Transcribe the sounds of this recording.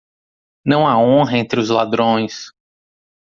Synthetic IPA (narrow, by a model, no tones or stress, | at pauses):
nɐ̃w̃aõɦɐẽnt̪ɾɪʊzlad̪ɾõj̃s